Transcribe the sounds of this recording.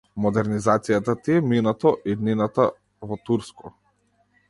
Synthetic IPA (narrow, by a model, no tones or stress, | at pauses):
mɔd̪ɛɾnizat̪sijat̪at̪iɛminat̪ɔʔid̪ninat̪a | vɔt̪uɾskɔ